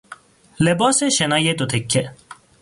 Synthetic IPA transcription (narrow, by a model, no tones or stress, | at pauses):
lebɔːseɕenajet̪ot̪ʰekʰːe